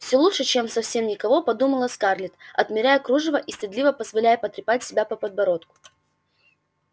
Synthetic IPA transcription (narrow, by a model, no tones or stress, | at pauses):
fsʲolˠutʂɨt͡ɕe̞msɐfsʲe̞mnʲɪkɐvo̞pɐd̪uməlˠəskarlʲɪt̪ɐt̪mʲɪɾʲæjəkɾuʐɨvəʔisʲtʲɪd̪lʲivəpəzvɐlʲæjəpət̪ɾʲɪpatʲsʲɪbʲapəpəd̪̚bɐɾo̞t̪kʊ̥